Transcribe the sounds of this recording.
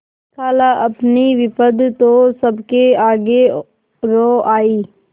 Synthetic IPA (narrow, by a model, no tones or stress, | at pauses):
kʰaːlaʔɐpniʋɪpəd̪t̪oːsəbkeaːɡe | ɾoːʔaːiː